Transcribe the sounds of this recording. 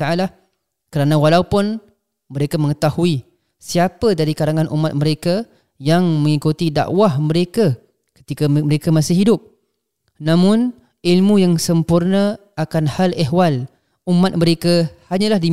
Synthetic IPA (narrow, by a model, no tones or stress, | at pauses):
t̪aala | kəɾanãwalaupʊn | məɾekamə̃ŋət̪ahui | siapədaɾikaɾaŋanʔṵmat̪̚məɾeka | jaŋmə̃ŋikut̪ida̰ʔwahməɾeka | kə̥t̪ikaməɾekamasɪhɦidʊp̚ | nãmʊn | ilmũjaŋsəmpurnə | akanhalɛɦwal | umat̪̚məɾekahaɲãlahdi